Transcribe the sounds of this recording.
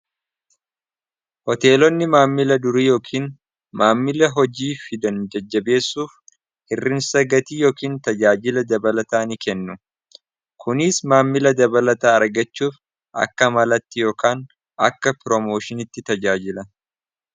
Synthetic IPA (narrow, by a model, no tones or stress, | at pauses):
hɔt̪e̞ːlɔnːɪmaːmːɪlɐd̪ʊɾiːjo̞ːkʰiːn | maːmːɪlɐɦɔd͡ʒiːfɪd̪ɐnd͡ʒɛd͡ʒːɐbe̞ːsːuːf | hɪrːɪnsɐɡɐt̪iːjo̞ːkiːnt̪ɐd͡ʒaːd͡ʒɪlɐd̪ɐbɐlɐt̪aːnikɛnːʊ | kʰʊnɪsmaːmːɪlɐd̪ɐbɐlɐt̪aːɐɾɡɐt͡ʃːuːf | ʔɐ̰kːɐmɐlɐt̪ːɪjo̞ːkaːn | ʔɐ̰kːɐpɾɔmo̞ːʃɪnɪt̪ːɪt̪ɐd͡ʒaːd͡ʒɪlɐ